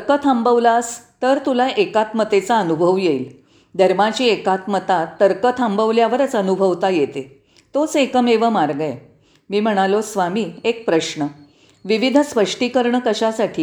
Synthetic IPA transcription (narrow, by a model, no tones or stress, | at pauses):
əɾkət̪ʰãmbəʋlast̪əɾt̪ulaʔekat̪mət̪et͡saənubʱəʋjeil | d̪ʱəɾmat͡ɕiːekat̪mət̪at̪ːəɾkət̪ʰãmbəʋljaʋəɾət͡sənubʱəʋt̪ajet̪e | t̪ot͡sekəmeʋəmaɾɡəe | miːm̤əɽ̃alosʋamiːek̚pɾəɕɳə | ʋiʋid̪ʱəspəʂʈiːkəɾɳəkəɕasaʈʰiː